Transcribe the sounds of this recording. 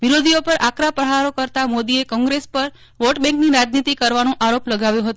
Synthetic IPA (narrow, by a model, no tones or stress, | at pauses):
ʋiɾod̪ʱiopəɾʔakɾapɾəɦaɾokəɾt̪amod̪iekɔ̃ŋɡɾespəɾ | ʋoʈbɛ̃ŋkniɾad͡ʒnit̪ikəɾʋanũʔaɾopləɡaʋjõɦət̪o